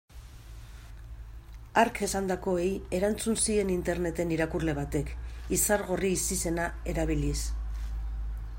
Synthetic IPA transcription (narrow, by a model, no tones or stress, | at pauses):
aɾke̞sand̪ako̞eje̞ɾant͡sunsie̞nint̪e̞ɾne̞t̪e̞niɾakurle̞β̞at̪e̞kisaɾɣo̞riːsise̞nae̞ɾaβ̞ilis